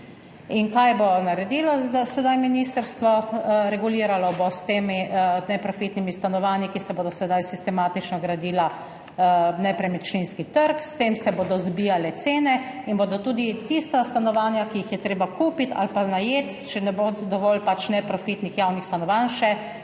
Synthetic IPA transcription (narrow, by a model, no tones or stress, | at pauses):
inkajbonaɾɛd̪iːlɔd̪asɛd̪ajminiːst̪əɾst̪ʋɔɾɛɡuliːɾalɔbost̪eminɛpɾɔfit̪nimist̪anɔʋaːnikisɛboːd̪ɔsɛd̪ajsist̪ɛmaːt̪it͡ʃnɔɡɾad̪iːla | nɛpɾɛmɛt͡ʃninskit̪əɾkst̪eːmsɛboːd̪ɔzbiːjalɛt̪seːnɛinbod̪ɔt̪ud̪it̪ist̪ast̪anɔʋaːnjakijixjɛt̪ɾeːbakʰuːpit̪ʰa̰lpanajeːt̪t͡ʃɛnɛbod̪ɔʋɔlpat͡ʃnɛpɾɔfit̪nixjawnixst̪anɔʋanʃɛ